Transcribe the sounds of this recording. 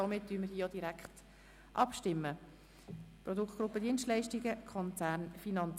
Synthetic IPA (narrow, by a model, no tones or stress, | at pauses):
ɔmɪt̚d̥yːməɾdhiːjod̥iɾækχt | ʔɑpʃtɪmːə | prɔdukχtɡ̥ɾupːədiənʃtlɛɪʃtiɡəkʰɔnt͡sæːɾnfinɑnt͡s